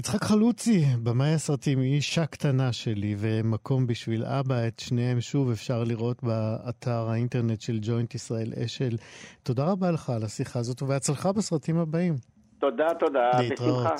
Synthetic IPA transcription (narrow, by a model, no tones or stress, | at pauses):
it͡sχakχalut͡sibemajasʁatimiʃaktanaʃe̞live̞makʰo̞mbiʃvila̰baet̪ʃneemʃuvefʃaʁliʁʔo̞tbaːtʰaʁhainteʁne̞tʃe̞ld͡ʒo̞jntisʁae̞lʔḛʃe̞lto̞daʁabaleχalasiχaːzo̞t̪uveat͡slχabesʁatimabaim | t̪od̪at̪od̪aleitʁaoa